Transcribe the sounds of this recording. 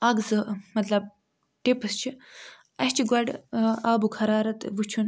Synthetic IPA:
ɐɡzɨmɐt̪lɐb̚ | ʈipɨst͡ʃʰi | ɐsʲt͡ʃʰiɡɐɖaːbukʰɐɾaːɾɐt̪ʋut͡ʃʰun

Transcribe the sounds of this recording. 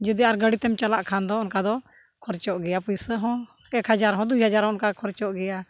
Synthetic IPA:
d͡ʒud̪iaɾɡəɽit̪ɛmt͡ʃalaʔkʰand̪ɔʊnkad̪ɔ | kʰɔɾt͡ʃɔʔɡɛjapusəɦɔ̃ | ɛkɦad͡ʒaɾɦɔ̃d̪ujɦad͡ʒaɾɦɔ̃ʊnkakʰɔɾt͡ʃɔʔɡɛja

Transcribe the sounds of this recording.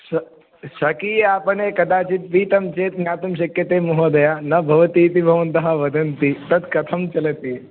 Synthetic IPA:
sɐ | ʃɐkiːaːpɐɳeːkɐd̪aːt͡ʃit̪̚ʋiːt̪ɐmt͡ʃeːt̪njaːt̪umʃɐkjɐt̪eːmuɦoːd̪ɐjaːnɐbʱɐʋɐt̪iːt̪ibʱɐʋɐnt̪ɐɦɐʋɐd̪ʱɐnt̪it̪ɐt̪kɐt̪ʰɐmt͡ʃɐlɐt̪i

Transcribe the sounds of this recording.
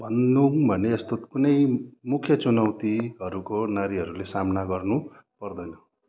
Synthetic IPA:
bʱʌnːubʱʌneːst̪ot̪kunʌjmukʰjʌt͡sunawt̪iɦʌɾukonaɾiɦʌɾulesamnaɡʌrnu | pʌrd̪ʌjnʌ

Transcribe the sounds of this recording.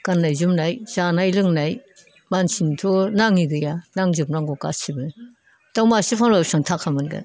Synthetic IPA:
kanːajzumnajz̥anajlɯŋnaj | mansintʰonaŋiɡɯjanaŋzɯpnaŋɡɔka̰sibɯ | tawmasipʰaŋlɔjp̚sɯŋtʰakʰːamɯnɡa̰

